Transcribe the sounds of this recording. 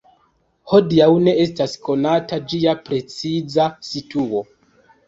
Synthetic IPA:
ho̞diawne̞estasko̞natad͡ʒiapɾe̞t͡sizasituo̞

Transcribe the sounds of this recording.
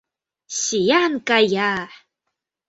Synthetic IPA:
ɕijankajaħ

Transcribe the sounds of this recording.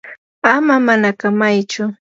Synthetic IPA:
amamanakamajt͡ʃʊ

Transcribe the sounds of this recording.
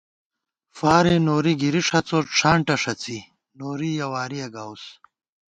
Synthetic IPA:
faːɾenoːɾiɡiɾiʂɐt͡soːʈ͡ʂʰaːɳʈɐʂɐt͡si | noːɾijɐwaːɾijɐɡaːws

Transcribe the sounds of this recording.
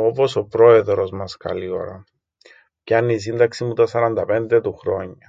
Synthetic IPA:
opo̞sopɾo̞e̞ðɾozmɐskɐ̰lio̰ɾɐ | ceɐnːis̬ind̪ɐksimut̪ɐsɐɾɐnd̪ɐpe̞nd̪et̪uxɾo̞ɲːɐ

